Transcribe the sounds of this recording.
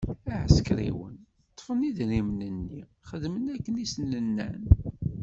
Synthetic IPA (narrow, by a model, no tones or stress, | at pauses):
æʕə̰skɾḭwə̰n | t̪ˤːfəniðnimnənːi | χəðmənækːənisənlənːæ̰n